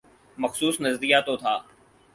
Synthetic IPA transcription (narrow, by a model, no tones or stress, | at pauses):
məxsuːsnəzɾijat̪ot̪ʰaː